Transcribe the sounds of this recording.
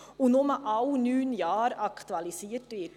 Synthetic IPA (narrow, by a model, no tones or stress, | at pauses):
ʊnʊməʔɑwnyːnjɑːɾɑkt̪uɑlisiːətʋɪt